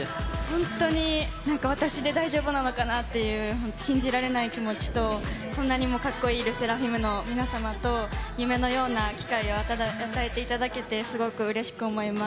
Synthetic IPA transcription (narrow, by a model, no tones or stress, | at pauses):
eshõ̞nt̪o̞ɲ̟inãŋkaβ̞at̪aɕid̪e̞d̪aiʑo̞ːbɯ̟nano̞kanat̪ːe̞jɯ̟ːhõ̞nt̪o̥ɕĩɲ̟d͡ʑiɾaɾe̞naikʲimo̞t͡ɕi̥t̪o̞kõ̞nːaɲ̟imo̞kakːo̞iːɾɯ̟se̞ɾaɸimɯ̟no̞mʲinasamat̪o̞jɯ̟me̞no̞jo̞ːnakʲi̥kaio̞at̪ad̪aat̪ae̞t̪e̞it̪ad̪ake̞t̪e̞sɨɡo̞kɯ̟ɯ̟ɾe̞ɕi̥kɯ̟o̞mo̞imḁ